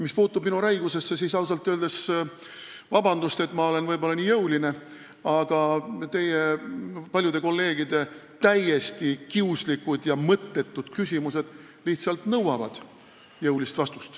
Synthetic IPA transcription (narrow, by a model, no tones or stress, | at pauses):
mispuːt̪ːub̥minuɾæjɡuse̞sːe̞siːsɑws̬ɑlt̪ːˑøːld̪̥es | vɑbɑnd̪̥ust̪e̞t̪ːˑmɑo̞le̞nvɤjbo̞lːɑniːjɤwline̞ | ɑɡ̥ɑt̪e̞jepɑlʲjud̪e̞ko̞lːe̞ːɡ̥id̪̥e̞ | t̪æje̞st̪ikiuslikud̪jɑmɤt̪ˑːe̞t̪ːˑud̪̥kysʲimuse̞d̪̥ | liht̪sɑlt̪nɤwɑvɑd̪̥ | jɤwlist̪vɑst̪u̥st̪